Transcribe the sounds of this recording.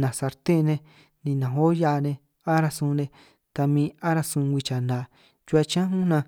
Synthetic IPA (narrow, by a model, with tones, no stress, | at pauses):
nã˨sa˧ɾt̪ẽ˦˧nẽ˧ | nĩ˧nã˨o˦ja˧˦˧nẽ˧ | a˦ɾa˧sũ˧nẽ˧ | t̪a˧mĩː˧a˦ɾa˧sũ˧ɡʷi˧t͡ʃa˨nã˨ | t͡ʃu˧˦a˧t͡ʃã˦ɦũ˦nã˧